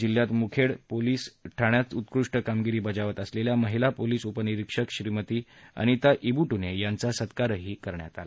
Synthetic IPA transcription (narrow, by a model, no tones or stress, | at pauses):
d͡ʑilːjat̪mukʰeɽpoliːsʈʰaɳjat͡sut̪kɾuʂʈəkamɡiɾiːbəd͡zaʋət̪əsleljaməɦilapoliːsupəniɾikʂəkɕɾimət̪iːa̰ɽ̃it̪jaʔibuʈunejant͡sasət̪kaɾəɦiːkəɾɳja̰t̪a̰la